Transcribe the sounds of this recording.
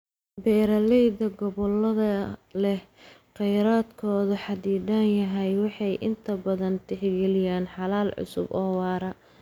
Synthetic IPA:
bɛːɾɐlɛjd̪ɐɡɔβɔlːɐðɐlɛhqɛjɾaːd̪kʰɔːðʊħɑd̪iːd̪aːnjɐɦɛjwɑħɑjʔɪ̰nt̪ʰɐbɐðɐnt̪ʰɪħɡɛlɪjaːnħɑlaːlʕʊ̰sʊ̰bɔːwɑːɾɐ

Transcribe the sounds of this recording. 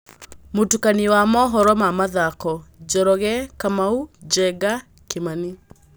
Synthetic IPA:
motukaniwamɔɦɔɾɔmamaðakɔd͡ʒɔɾɔɣɛkamaud͡ʒɛɡa | kemani

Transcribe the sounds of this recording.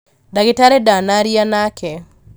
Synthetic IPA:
daɡɪtaɾɛdanaɾianakʰɛ

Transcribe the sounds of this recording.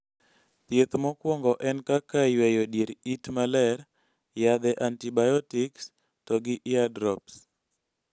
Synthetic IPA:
t̪jet̪mɔkwɔŋɡɔʔɛnkakawɛjodjeɾitmalɛɾ | jad̪ɛʔantibajɔtɪks | tɔɡɪʔɪadɾɔps

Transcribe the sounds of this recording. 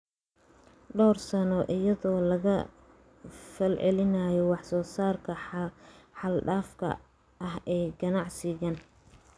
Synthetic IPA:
ɖɔːrsɐnɔʔɪjɐðɔːlɐɣɐ | fɐlʕɛlɪnaːjɔwɑħsɔːsaːrkʰɐ | ħɑlɖaːfkʰɐ̰ | ʔɐɦɛːjɡɐnɑʕsɪɣɐn

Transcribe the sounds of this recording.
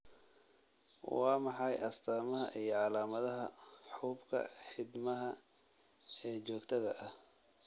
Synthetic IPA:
wɑːmɑħɑjɐst̪ʰaːmɐɦɐ̰ʔijɞʕɑlaːmɐðɐɦɐħuːbkʰɐ̰ħɪd̪mɐɦɐ | ɛːt͡ʃɔːkt̪ʰɐðɐʔɐh

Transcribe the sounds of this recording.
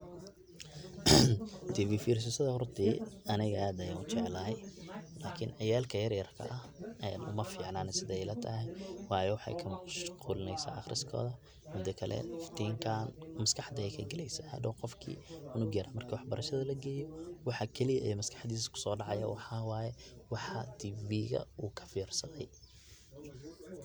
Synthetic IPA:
t̪ʰiːviːfiːɾs̬ɪsɐðɐhɔrt̪ʰiːɐnɪɣɐaːd̪ɐjaːnʊt͡ʃɛʕlɐːɦɛjlaːkʰɪnɐjaːlkʰɐjɐrjɐrkʰɐ̰ʔɐhɛnʔʊ̰mɐfiːʕnaːnɛsɪðɛɛjlɐt̪ʰɐɦɛjwɑːjɔwɑħɑ̰jkʰɐmʃquːlɪnɛjsa̰ːʔɑxrɪskʰɔ̰ːðɐ | mʊd̪ɐkʰɐlʔɛ̰ft̪ʰiːŋkʰaːnmɐskʰɑħd̪ɐɛjkʰɐɡɛlɛjsɐɐ̰d̪ɔːqɔfkʰḭːʊnʊɡɛɾaːmɐrkʰɐwɑħbɐɾɐʃɐðɐlɐɡɛːjɔwɑħɑkʰɛlijɐʔijmɐskʰɑ̥ħd̪iːs̬ɐ̥kʰʊ̥sɔːɖɑʕɑjɐ̰wɑħɑːwaːjɛwɑħɑt̪ʰiːviːɣɐ̰uːkʰɐ̥fiːrsɐðɛj

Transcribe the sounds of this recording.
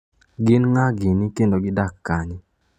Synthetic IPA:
ɡɪnŋaɡɪnikendoɡɪdakːaɲɪ

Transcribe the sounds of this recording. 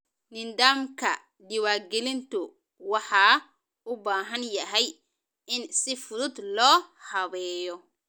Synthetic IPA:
nɪnd̪aːmkʰɐ | dɪwaːɡɛlɪnt̪ʰʊ | wɑħɑː | ʊbaːɦɐnjɐɦɛj | ɪnsɪfʊðʊd̪lɔːhɐβɛːjɔ

